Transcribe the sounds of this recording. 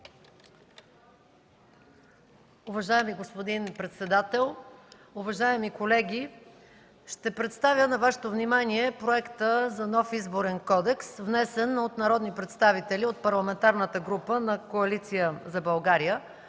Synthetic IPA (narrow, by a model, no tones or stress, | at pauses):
uvɐʒajɛmiɡospod̪inpɾɛt̪sɛd̪at̪ɛlˠ | uvɐʒaɛmikolɛɡʲi | ʃt̪ɛpɾɛt̪st̪avʲjənɐvaʃɛ̥t̪ovnimaniɛpɾoɛkt̪əzɐnɔfizboɾɛnkɔd̪ɛksvnɛsɛnot̪nɐɾɔd̪nipɾɛt̪st̪avit̪ɛliot̪̚pɐɾlˠɐmɛnt̪aɾnət̪əɡɾupənɐkoɐlit̪sijəzɐbɐlˠɡaɾijə